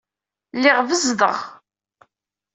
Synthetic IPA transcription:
lːɪʁvəzðə̰ʁ

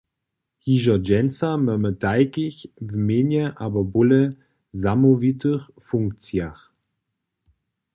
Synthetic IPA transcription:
hiːʒɐd͡ʒɛnt͡saməmətaɪkɪçvəmeːnjəʔaːbɐbʊlə | zamovitʰəʁ | fʊŋkt͡sjaʁ

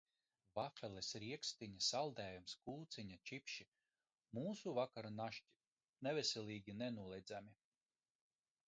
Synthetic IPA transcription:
vafɛlˠɛsɾiɛkst̪iɲasalˠd̪ɛːjumskuːt̪siɲat͡ʃipʃi | muːsuvakaɾanaʃci̥ | nɛvɛselʲiːɡʲinenuɔlˠɛjd̪zami

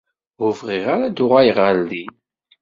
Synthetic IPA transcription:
ʊvʁiʁaɾad̪ʊʁajʁəld̪i

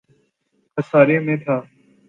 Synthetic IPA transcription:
kʰəsaːɾeːmẽːt̪ʰaː

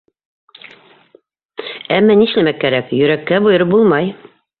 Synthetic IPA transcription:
æmːæniʃlæmækːæɾækjɵ̆ɾækːæbujɤ̆ɾɤbulˠmɑj

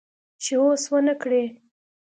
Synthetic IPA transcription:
t͡ʃeoswənəkɽe

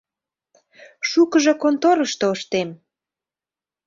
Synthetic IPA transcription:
ʃukəʒɤ̆kont̪oɾəʃt̪oəʃt̪em

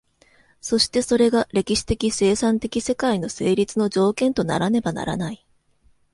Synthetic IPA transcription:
so̞ɕi̥t̪e̞so̞ɾe̞ɡaɾe̞kʲiɕi̥t̪e̞kʲise̞ːsãnt̪e̞kʲise̞kaino̞se̞ːɾʲit͡sɨnod͡ʑo̞ːkẽ̞nt̪o̞na̰ɾane̞bana̰ɾa̰nai

